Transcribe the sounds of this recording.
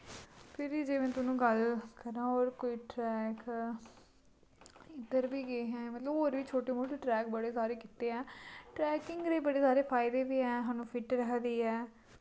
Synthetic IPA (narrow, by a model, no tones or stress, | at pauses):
pʰɪɾiːd͡ʒeːmɛ̃ːt̪ʊnũːɡəlkəɾãːoːɾkoːiːʈɾɛːk | ɪd̪əɾbiːɡeeːɦɛ̃ːmət̪ləboːɾʋiːt͡ʃʰoːʈeːmoːʈiːʈɾɛːk̚bəɽeːsaːɾeːkɪt̪eːɛːʈɾɛːkɪ̃ŋɡɾeːbəɽeːsaːɾeːpʰaːɪd̪eːbiːɛːɦaːnũːpʰɪʈɾəkd̪iːɛː